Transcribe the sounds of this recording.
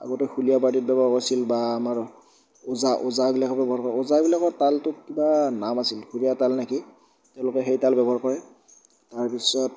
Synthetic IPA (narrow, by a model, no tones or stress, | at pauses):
a̰ɡɔtɔxʰulijap̬aɹtit̚bɛbɔakɔɹsilbaːmaɹ | ozaʔozabilakɔbɛbɔɦaɹkɔɹɛozabilakɔtaltʊkibanamasilkʰulijatalnaki | tɛʊ̃lʊkɛxejtalbɛbɔɦaɹkɔɹɛ | taɹpisɔt̚